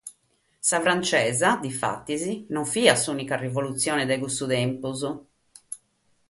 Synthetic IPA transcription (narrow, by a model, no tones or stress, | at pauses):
safɾant͡ʃɛːzad̪ifa̰t̪ːizinɔɱfiːasuːnikarivolut̪sːjɔːnɛd̪ɛɣust̪ud̪ɛmpuzu